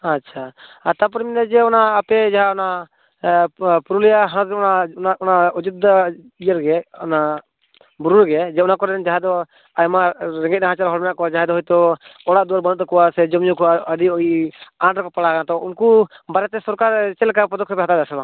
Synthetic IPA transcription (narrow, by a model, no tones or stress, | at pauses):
atːt͡ʃʰaat̪ap̬ɔɾminad͡ʒɛɔnaːpɛd͡ʒaɦaɔna | puɾulijaɦat̪ɔnanaɔnaɔd͡ʒut̪ːa | ijəɾɡɛɔna | buɾuɾɡɛd͡ʒɛɔnakɔɾɛnd͡ʒaɦɛd̪ɔ | ajmaɾɛŋɡɛt̪̚naɦãt͡ʃaɾɦɔɽmɛnaʔkɔad͡ʒaɦɛd̪ɔɦɔjt̪ɔɔɽaʔd̪uɾbɔnɔt̪̚ɔkɔwasɛd͡ʒɔmjukɔəɖiɔiaɳɖɾkɔpaɽakanat̪ɔunkubaɾɛt̪ɛsɔɾkaɾt͡ʃɛlkapɾɔd̪ɔkʰɔpɛɦat̪ad̪asɛba